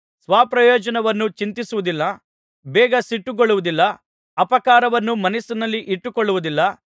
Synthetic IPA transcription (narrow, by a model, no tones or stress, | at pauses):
sʋaːpɾɐjɔːd͡ʒɐnɐʋɐnːut͡ʃint̪isuʋud̪ilːɐ | bɛːɡɐsiʈːuɡoɭːuʋud̪ilːɐ | ɐpɐkaːɾɐʋɐnːumɐnɐsunɐlːiʔiʈːukɔɭːuʋud̪ilːɐ